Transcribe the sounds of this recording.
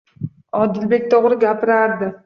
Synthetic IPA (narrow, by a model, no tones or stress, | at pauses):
ɒd̪ɪlbe̞k̚ʲt̪ʰoʁɾɪɡʲapʰɪɾaɾd̪ɪ